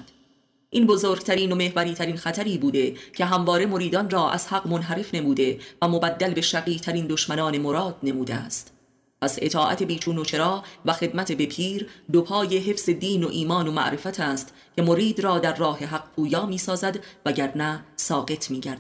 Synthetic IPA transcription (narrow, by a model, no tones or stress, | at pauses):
d̪ | ʔinbo̞zoːɾɡ̥t̪ʰæɾiːno̞me̞hvæɾiːt̪ʰæɾiːnxæt̪ʰæɾiːbuːd̪e̞cʰe̞ɦæmvɒːɾe̞mo̞ɾiːd̪ɒnrɒːʔæ̰z̥hæɢmo̞nɦæɾe̞fne̞muːd̪e̞væmobæd̪ːælbe̞ʃæɣiːt̪ʰæɾiːnd̪oʃmænɒːne̞moɾɒːd̪̥ne̞muːd̪eæ̰st̪ | pʰæse̞̰t̪ʰɒːʔæ̰t̪ʰe̞biːt͡ʃʰuːnot͡ʃʰe̞ɾɒːvæxe̞d̪mæt̪ʰebe̞pʰiːɾd̪opʰɒːje̞ɦe̞fz̥e̞d̪iːnoʔiːmɒːno̞mæ̰ʔɾe̞fæt̪ʰæːst̪ | cʲʰe̞mo̞ɾiːd̪ɾɒːd̪æɾːɒːɦe̞ɦæqpʰuːjɒːmiːsɒːzæd̪væɟæɾnæsɒːɢe̞t̪ʰmiːɟæɾd̪